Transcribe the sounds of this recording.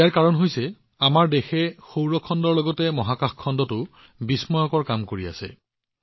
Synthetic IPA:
aɹkaɹɔnɦojsɛ | amaɹdexɛxowɹɔkʰɔndɔɹlɔɡɔtɛmɔɦakaxkʰːɔndɔtʊ | bismɔjɔkɔɹkamkoɹia̰sɛ̰

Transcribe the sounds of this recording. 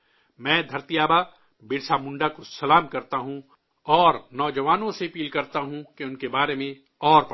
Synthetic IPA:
mɛ̃ːd̪ʱɐɾt̪ijaːba | beːɾsamʊ̃ɳɖakosɐlaːmkɐɾt̪aɦũ | ɔːɾnɔːd͡ʒɐʋaːnõsepiːlkɐɾt̪aɦũkeʊnkebaːɾemẽ | ɔːɾp

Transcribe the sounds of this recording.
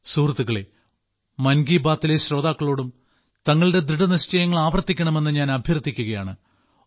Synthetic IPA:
suːrɐt̪ːuɣɐɭe̞ | mɐnɡiːbaːt̪ːile̞ɕro̞ːd̪aːkːɐɭo̞ːɽum | t̪ɐŋːɐɭɨde̞d̪ɾiɽɐniɕt͡ɕɐjɐŋːɐɭaːʋɐrt̪ːikʲːɐɳɐme̞nːɨɲaːnɐbʱjɐrt̪ːikʲːuɣɐjaːɳɨ

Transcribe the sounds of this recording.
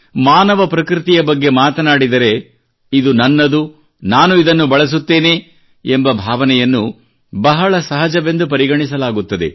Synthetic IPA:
maːnɐʋɐpɾɐkɾit̪ijɐbɐɡːe̞maːt̪ɐnaːɽid̪ɐɾe̞ | id̪unɐnːɐd̪u | naːnuid̪ɐnːubɐɭɐs̬ut̪ːe̞ːne̞ | embɐbʱaːʋɐnɛjɐnːu | bɐɦɐɭɐsɐɦɐd͡ʒɐʋe̞nd̪up̬ɐɾiɡɐɳisɐlaːɡut̪ːɐd̪e̞̰

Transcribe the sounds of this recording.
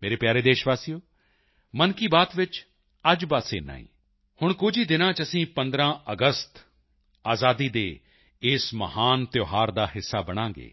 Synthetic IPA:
meːɾeːpjaːɾeːd̪eːʃʋaːsijoː | mənkiːbaːt̪ʋɪt͡ʃ | əd͡ʒbaːsḛːna̰ːḭ̃ː | hʊɳkʊd͡ʒʱiːd̪ɪnãːt͡ʃəsĩːpənd̪ɾãːʔəɡəst̪ | aːzaːd̪iːd̪eː | ɪsməhaːnt̪joːɦaːɾd̪aːɦɪsːaːbəɽ̃ãːŋɡḛː

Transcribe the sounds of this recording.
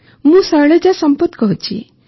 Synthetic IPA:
mũsəɭed͡ʒasɔmpɔt̪kɔɦut͡ʃʰḭ

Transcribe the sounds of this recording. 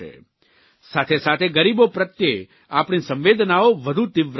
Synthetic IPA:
ḛ | sat̪ʰesat̪ʰeɡəɾibopɾət̪je | apɳ̃isə̃mʋed̪ʱnaoʋəd̪ʱut̪ɪʋ

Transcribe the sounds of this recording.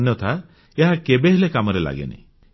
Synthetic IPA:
njɔt̪ʰa | eɦakebeɦelekamɔɾela̰ɡḛnḛ

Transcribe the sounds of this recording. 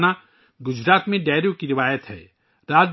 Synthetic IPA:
na | ɡʊd͡ʒɾaːt̪mẽɖɛːɾjokiɾɪʋaːjət̪ɦɛ̰ː | ɾaːd͡ʒ

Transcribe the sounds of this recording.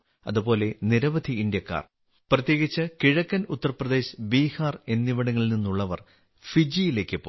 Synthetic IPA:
ɐ̰ðubo̞ːle̞niɾɐʋɐd̪ʱiːnd̪jɐkːa̰ːr | prɐt̪je̞ːɣit͡ɕːɨkiɻɐkːɐnut̪ːɐrɐprɐd̪e̞ːɕbiːhaːre̞nːiʋɐɽɐŋːɐɭilninːuɭːɐʋɐr | fid͡ʑijile̞ːkːɨpːo̰ː

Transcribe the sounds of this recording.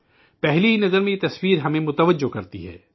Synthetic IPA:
pɛɦliinɐzəɾmẽjit̪ɐswiːɾɦɐmẽmʊt̪əʋəd͡ʒokɐɾt̪ḭɦɛ̰ː

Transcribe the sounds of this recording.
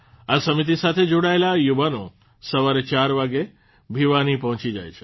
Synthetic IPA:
asəmit̪̬isat̪ʰed͡ʒoɽaelajuʋano | səʋaɾet͡ʃaɾʋaɡe | bʱiʋanipəɦɔ̃t͡ʃid͡ʒa̰jt͡ʃʰe̥

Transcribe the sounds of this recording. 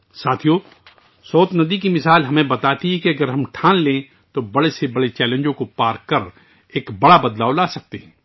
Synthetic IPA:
saːt̪ʰijo | sɔːt̪nɐd̪ikimɪsaːlɦɐmẽbɐt̪aːt̪iɦɛkiɐɡəɾɦɐmʈʰãːnlẽː | t̪obɐɽesebɐɽet͡ʃɛːlẽnd͡ʒõkopaːɾkɐɾ | eːkbɐɽabɐd̪laːolaːsɐk̚t̪eɦɛ̃ː

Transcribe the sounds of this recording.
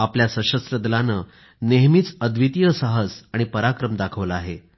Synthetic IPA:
apljasə̃ɕəst̪ɾəd̪lanəː | neɦmiːt͡səd̪ʋit̪ijəsaɦəsaɽ̃ipəɾakɾəmd̪akʰəʋləaɦe

